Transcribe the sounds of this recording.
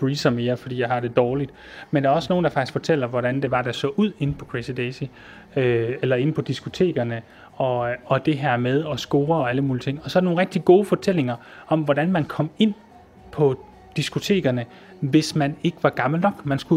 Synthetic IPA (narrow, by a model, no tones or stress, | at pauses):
ʁiːsɐme̝ːɐfɒd̥ḭːjɑ̈ɪhɑ̈d̥e̝d̥ɒːlid̥ | mend̥æɐɒ̽sno̝ːnd̥ɑ̈fɑ̈ɡ̥isɡ̥fɒ̽t͡sʰel̰ɐʋɒɾ̥ænd̥e̝ʋɑ̈d̥æsɒ̰ːʔuð̰ˠe̝npʰɒ̽kʰʁesid̥esi | øelɐe̝npʰɒ̽d̥isɡ̥o̝t͡sʰe̝̰ːɡ̥ɐnə | ɒ̽ɒ̽d̥e̝ɦæɐmeð̞ˠɒ̽sɡ̥o̝ːɐɒ̽æləmuːlit͡sʰe̝ŋ̰ɒ̽sɒ̽æɾ̥noːnʁɛɡ̥̚d̥iɡ̥o̝ːfɒ̽t͡sʰel̰e̝ŋɐ | ʔɒ̽mʋɒɾænmænkʰɒ̽m̰e̝n̰ | pʰɒ̽ | d̥isɡ̥o̝t͡sʰe̝̰ːɡ̥ɐnə | ʋe̝smæne̝ɡ̥əʋɑ̈ɡ̥ɑ̈ml̩nɒ̽ɡ̥mænsɡ̥u